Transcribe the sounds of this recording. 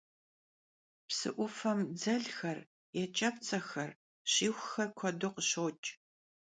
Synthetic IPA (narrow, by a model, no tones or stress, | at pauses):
psɨ̰ʔʷʊfɐmd͡zɐɮxɐr | jɛt͡ʃʼɐp̚t͡sʼɐxɐr | ɕiːxʷxɐrkʷʰɔdʊqəɕowt͡ʃʼ